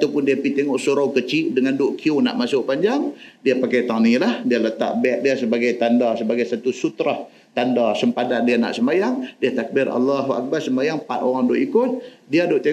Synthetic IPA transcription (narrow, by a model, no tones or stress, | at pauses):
t̪apʊndiapit̪eŋɔʔsuɾawkət͡ʃiʔdəŋandoʔkʰiuna̰ʔmasʊʔpaɲd͡ʒaŋdiapakajt̪anilahdialət̪a̰ʔ̚bɛʔ̚diasəbaɡajt̪andasəbaɡajsat̪usut̪ɾah | t̪andasəmpadandiana̰ʔsəmajaŋdiat̪ak̚bɪra̰lːaɦua̰k̚barsəmajaŋpat̪oɾaŋdoʔikʊt̪̚ | diadʊʔt̪e